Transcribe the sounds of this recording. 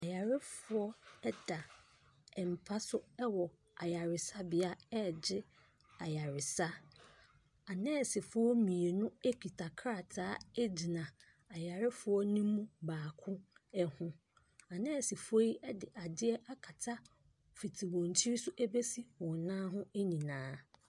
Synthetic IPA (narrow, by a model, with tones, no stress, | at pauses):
a˨ja˨ɾɪ˦fʊ˨ɔ˦ɛ˦d̥a˨ | ɛ˨m̩˨pʰa˦sʊ˦ɛ˦wɔ˨ | a˨ja˨ɾɪ˨sa˦bɪ˨a˦ɛ˦˨d͡ʑɪ˦ | a˨ja˨ɾɪ˨sa˦ | a˨nɛ̃˦˨sɪ˨fʊ˦ɔ˦mĩ˨e˨nʊ̃˦e˦kʰᶣi˨tʰa˨kʰɾa˨tʰaː˦e˦d͡ʑi˨nã˨ | a˨ja˨ɾɪ˦fʊ˦ɔ˦nĩ˦mũ˦baː˨kʰʊ̃˦ɛ˨hʊ̃˦ | a˨nɛ̃˦˨sɪ˨fɔ˦ji˦ʔɛ˦dɪ˨ʔa˨dɪ˦ɛ˦ʔa˦kʰa˨tʰa˦ | fi˨tʰi˨wɔ̃˨n˨t͡ɕʰi˦ɾi˦sʊ˦ʔæ˦be˦si˦wɔ̃˨nãː˦ɦʊ̃˦e˦ɲĩ˨nãː˨˦